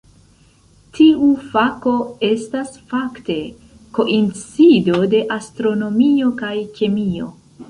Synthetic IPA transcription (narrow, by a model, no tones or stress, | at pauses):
tʰiufako̞e̞stasfakte̞ | ko̞ʔint͡sido̞de̞ʔastɾo̞no̞mio̞kajke̞mio̞̰